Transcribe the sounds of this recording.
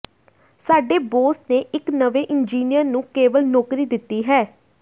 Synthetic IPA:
saːɖeːboːstneːʔɪknəʋeːʔɪnd͡ʒiːnijəɾnũːkeːʋəlnɔːkɾiːd̪ɪt̪ːiːɦɛː

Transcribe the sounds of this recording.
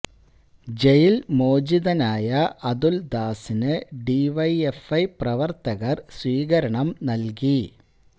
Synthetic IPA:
d͡ʑejilmo̞ːd͡ʑiðɐnaːjɐʔɐðuld̪aːsinɨɖiʋɐjefɐjprɐʋɐrt̪ɐɣɐrswiːɣɐɾɐɳɐmnɐlk̬i

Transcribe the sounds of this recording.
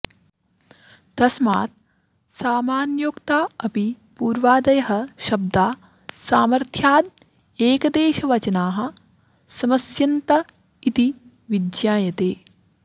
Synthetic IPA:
d̪̥ɐsma̰ːt̪̚ | saːmaːnjoːkt̪aːɐpi | puːɾʋaːd̪ɐjɐɦɐ̆ʃɐb̚d̪aː | saːmɐɾt̪ʰjaːd̪̚ | eːkɐd̪eːʃɐʋɐt͡ʃɐnaːɦɐ̆ | sɐmɐsjɐnt̪ɐ | it̪i | ʋid̪jaːjɐt̪eː

